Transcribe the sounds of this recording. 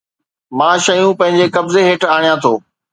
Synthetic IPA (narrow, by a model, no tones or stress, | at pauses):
mãːʃɐjũpɐ̃ɦɪ̃ɲd͡ʑekɐbzeɦɪʈʰaːɽ̃ijãt̪ʰoː